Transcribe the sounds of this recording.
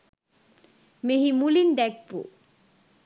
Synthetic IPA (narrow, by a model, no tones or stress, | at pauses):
meɦimulinɖɛk̚pṵ